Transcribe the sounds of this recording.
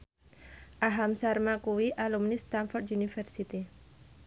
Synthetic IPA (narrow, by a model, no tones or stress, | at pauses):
ʔaɦamsarmakuwiʔalumnist̪anfɔrt̪unifɛrsit̪i